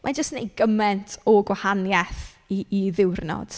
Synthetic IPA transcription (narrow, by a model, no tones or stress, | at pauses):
mʔad͡ʒəstnejɡəmɛntʰɔɡwahanjɛθ | iːðɪwrnɔ̰d̥